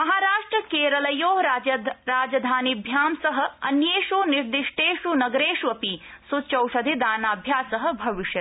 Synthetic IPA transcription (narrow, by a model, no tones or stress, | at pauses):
mɐɦaːɾaːʂʈɾɐkeːɾɐlɐjoːɦɾɾaːd͡ʒɐd̪ʱaːnibʱjaːmsɐɦɐ̆ɐnjeːʃuniɾd̪iʂʈeːʂunɐɡɾeːʃʋɐpisut͡ʃɐwʃɐd̪ʱid̪aːnaːbʱjaːsɐɦɐ̆bʱɐʋiʃjɐ